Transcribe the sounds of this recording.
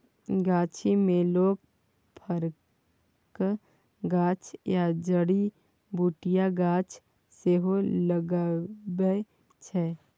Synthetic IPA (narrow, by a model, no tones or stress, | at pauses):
ɡaːt͡ʃʰimẽloːɡ | pʰəɾ | k | ɡaːt͡ʃjad͡ʒəɽi | buːʈijaɡãːt͡ʃʰ | seːɦoləɡabə | t͡ʃʰɛː